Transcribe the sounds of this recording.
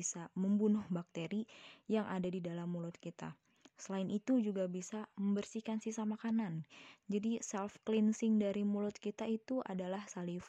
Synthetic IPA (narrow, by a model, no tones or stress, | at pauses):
saməmbunʊhbak̚t̪eɾijaŋʔadadidalamːulʊt̪̚kit̪a̰ | səlaɪnit̪ud͡ʒuɡabisaməmbərsihkansisamakanand͡ʒadisɛlfklinsɪŋdaɾimulʊt̪̚kit̪ait̪uʔa̰dalahsalif